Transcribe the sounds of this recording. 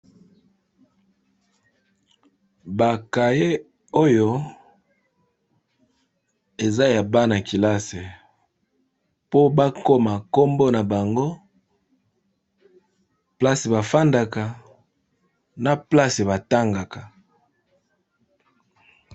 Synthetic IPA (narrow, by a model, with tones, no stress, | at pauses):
ba˨ka˨je˦ | o˦jo˦ | e˨za˦ja˨ba˦na˨ki˨la˦se˨ | po˦ba˦ko˦ma˨ko˦mbo˦na˨ba˨ŋɡo˦ | pla˦se˨ba˨fa˦nda˨ka˨ | na˨pla˦se˨βa˨ta˦ŋɡa˨ka˨